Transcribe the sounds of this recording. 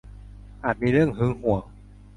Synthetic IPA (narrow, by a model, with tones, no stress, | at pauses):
ʔaː˨˩t̪̚miː˧ɾɯ˥˩əŋɦɯː˦˥ŋhu˨˩˦